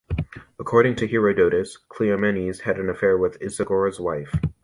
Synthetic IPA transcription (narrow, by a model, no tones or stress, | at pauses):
əkʰɔɹɾɪ̃ŋtʰɨhiɹoʊdoʊɾɨskʰl̥iɨmɛ̃niz̥ɨɾɨ̃n̩ɨfɛɹwɪðɪsɨɡɔɹɨzwaɪf